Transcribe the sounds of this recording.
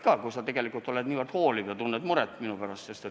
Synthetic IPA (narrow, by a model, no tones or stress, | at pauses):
kɑːkusɑt̪eɡ̥e̞likːˑult̪ˑo̞led̪niːvərd̪̥hoːlivjɑt̪unːed̪muɾɛt̪ːˑminupæɾɑst̪sest̪e